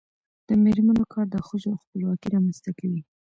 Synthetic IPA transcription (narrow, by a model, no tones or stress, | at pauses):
d̪̥əmeɾmanokʰɑɾd̪əxəʒoaxpəlwɑkiɾɑmanst̪akawi